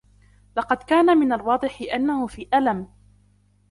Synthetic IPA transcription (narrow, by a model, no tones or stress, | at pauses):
lɑqɑd̪kaːnamɪnalwɑːd̪ˤɨħɪʔanːahʊfiːʔalam